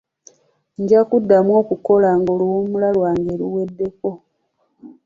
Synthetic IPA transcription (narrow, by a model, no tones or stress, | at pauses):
ɲɟakudːamwo̞ːkuko̞laŋɡoluwomulalwaːŋɡeɾuwe̞dːe̞ko̞